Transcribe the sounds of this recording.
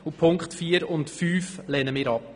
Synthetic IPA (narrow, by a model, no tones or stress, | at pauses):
upʰʊŋkχtfiːəɾʊntfyːflɛnəmɪːɾɑp̚